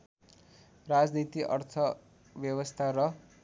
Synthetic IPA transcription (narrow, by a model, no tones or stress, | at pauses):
rad͡znit̪iʔʌrt̪ʰʌ | bjʌbʌst̪ʰaɾʌ